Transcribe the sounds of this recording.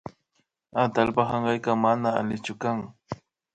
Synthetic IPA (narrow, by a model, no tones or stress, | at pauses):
at̪alpaχɑɴɢɑjkɑmanaa̰lɪt͡ʃʊkaŋ